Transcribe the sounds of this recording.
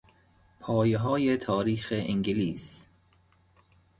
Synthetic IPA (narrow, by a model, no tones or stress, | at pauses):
pʰɒːjeɦɒːjet̪ʰɒːɾiːxeʔiŋɡiliːs